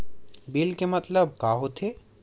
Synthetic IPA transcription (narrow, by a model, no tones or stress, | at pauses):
bilkemɐt̪ləb̚kaːɦot̪ʰe